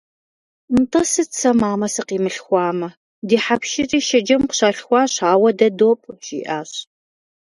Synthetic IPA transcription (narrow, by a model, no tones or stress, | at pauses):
mtʼɐsɨt͡sʰɐmaːmɐsɨqiːmɨɬxʷɑːmɐ | diːħapʃirʼiːʃɐd͡ʒɐmqʷɕaːɬxʷɑːɕaːwɐdɐdoːpʼʒ̥ḭːʔaːɕ